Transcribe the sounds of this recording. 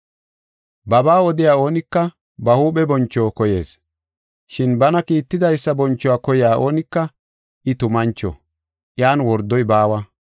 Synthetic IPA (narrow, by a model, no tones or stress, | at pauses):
bɐbaːɔd̪ɪjaːo̞ːnɪkːɐ | bɐhuːɓɛbɔnt͡ʃːoːkɔje̞̰ːs | ʃɪnbɐnɐkiːt̪ːɪd̪ɐjsːɐbɔnt͡ʃːɔwaːkɔjɪjaːʔo̞ːnɪkːɐ | ʔɪt̪ʊmɐnt͡ʃːɔ̰ | ʔjaːnwɔɾd̪ːɔjbaːwɐ